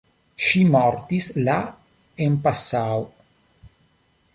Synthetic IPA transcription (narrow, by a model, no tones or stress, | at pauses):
ʃimoɾt̪isla | empasao